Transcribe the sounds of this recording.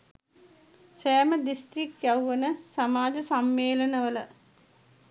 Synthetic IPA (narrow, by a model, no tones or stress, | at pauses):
seːməd̪ist̪ɾik̪jawʋənəsamaːd͡ʒɐsamːeːlɐnəʋələ